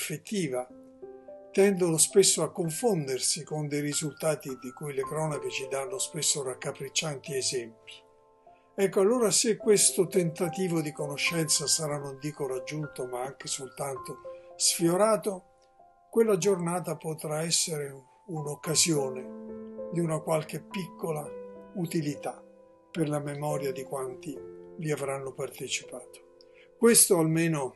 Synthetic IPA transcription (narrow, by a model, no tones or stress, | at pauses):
fet̪ːiːva | t̪ɛnd̪onospesːoakːoɱfond̪ersikond̪ejɾizult̪aːt̪id̪ikujlekɾɔnaket͡ʃid̪anːospesːorakːapɾit͡ʃːant̪iɛzɛmpi̥ | ɛkːoalːoːɾasekːwest̪ot̪ent̪at̪iːvod̪ikonoʃːɛnt̪sasaɾanːond̪iːkoɾad͡ʒːunt̪omaaŋk̟esolt̪ant̪osfjoɾaːt̪o | kwelːad͡ʒornaːt̪̬apot̪ɾaɛsːeɾe | unokːazjoːned̪iunakwalk̟epːikːolaut̪ilit̪a | perlamemɔːɾjad̪ikwant̪iviavɾanːopart̪et͡ʃi̥paːt̪o̥ | kwest̪oalmeːno